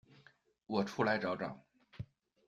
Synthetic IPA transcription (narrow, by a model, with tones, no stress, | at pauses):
wɔ˨˩ʈ͡ʂʰu˥˩la˧˥ɪʈ͡ʂɑ˧˥ʊʈ͡ʂɑ̰˨˩˦